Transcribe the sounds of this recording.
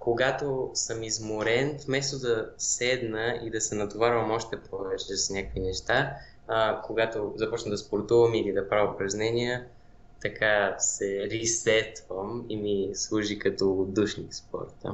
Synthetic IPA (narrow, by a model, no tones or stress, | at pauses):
koɡat̪osəmizmoɾɛnfmɛst̪od̪ɐsɛd̪nəid̪ɐsɛnɐt̪ovaɾvəmɔʃt̪ɛpɔvɛt͡ʃɛsnʲakoinɛʃt̪a | koɡat̪ozɐpɔt͡ʃnəmd̪ɐspoɾt̪uvəmilid̪ɐpɾavəpɾɐznɛniə | t̪ɐkʰasɛɾisɛt̪vəmimislˠuʒikɐt̪ɔd̪uʃnikspɔ̰ɾt̪ə̰